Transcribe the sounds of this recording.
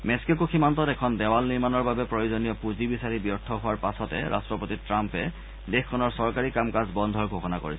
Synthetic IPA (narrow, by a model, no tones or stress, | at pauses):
mɛsi̥kekuximantɔtɛkʰɔndɛwalniɹmanɔɹbabɛpɹojozonijɔpuzibisaɹibijɔtʰːɔɦʊwaɹpasɔtɛ̰ɹʔa̰stɹɔpotitɹampɛ | dexkʰːɔnɔɹsɔɹkaɹikamkazbɔnd̪ʱɔɹɡʱoxɔnako̰ɹisɛ